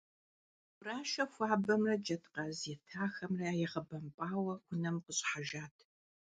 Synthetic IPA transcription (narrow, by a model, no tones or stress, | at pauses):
raːʃɐfʷaːbɐmrɐd͡ʒɐtqɐzɛtʰaːxɐmrɐjɛʁɐbɐmpʼaːwɐkʷʰʊnɐmqəɕʼħaʒaːtʰ